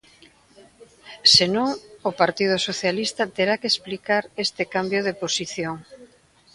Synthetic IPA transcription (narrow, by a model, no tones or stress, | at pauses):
senuŋopaɾt̪ið̞ʊsoθjalist̪at̪eɾakeesplikaɾest̪ɪkambjoðeposiθjoŋ